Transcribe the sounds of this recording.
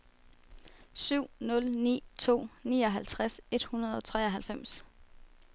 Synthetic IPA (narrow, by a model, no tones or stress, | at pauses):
syʊ̰nɔ̽lnḭːt͡sʰo̝̰ːnḭːɒ̽ɦælt͡sʰʁase̝d̥hunɐðˠɒ̽t͡sʰʁɛ̰ːɒɦælfem̰s